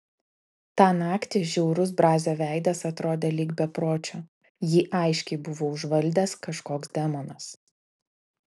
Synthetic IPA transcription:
t̪ɑːnɑːkt̪ʲɪʒʲɛʊɾʊs̬bɾɑːzʲoːʋʲæˑɪd̪ɐsɐt̪ɾoːd̪ʲeːlʲiːɡbʲɛpɾoːt͡ʃʲoː | jiːʔɐɪʃʲkʲɛɪbʊʋoːʊʒʋɐlʲd̪ʲɛskɐʃkoːkzd̪ʲɛmoːnɐs

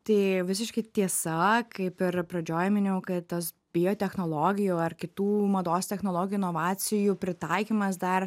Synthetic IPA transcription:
t̪ɐɪʋʲɪs̬ʲɪʃkɐɪt̪ʲiɛsɐkɐɪpɪɾpɾɐd͡ʒʲoːjɛmʲɪnʲɛʊkɐtt̪ɐs | bʲɪjoːt̪ʲɛxnoːlˠoːɡʲɪjuːɐrkʲɪt̪uːmɐd̪oːst̪ʲɛxnoːlˠoːɡʲɪjuɪnoːʋɑːsʲɪjupʲɾʲɪt̪ɐɪkʲimɐs̬d̪ɐr

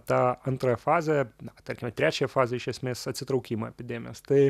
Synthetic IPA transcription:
t̪aɐnt̪ɾojɛfazʲɐnɐkt̪ɐɾʲkʲɪmʲɐt̪ɾʲæt͡ʃʲɛjɛfazʲɐɪʃʲɛsʲmʲesʲɐt̪ʲsʲɪt̪ɾɐʊkʲimɐɛpʲɪd̪ʲemʲɪjo̰st̪ɨ

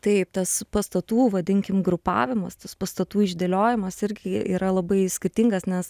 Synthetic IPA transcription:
t̪ɐɪpt̪ɐspɐst̪ɐt̪uːʋɐd̪ʲɪŋʲkʲɪmɡɾʊpɑ̰ːʋʲɪmɐst̪ɐspɐst̪ɐt̪uːɪʒʲd̪ʲeːlʲoːjɪmɐsɪɾʲɡʲɪḭːɾɐlˠɐbɐɪsʲkʲɪrʲt̪ʲɪŋɡɐsnʲɛs

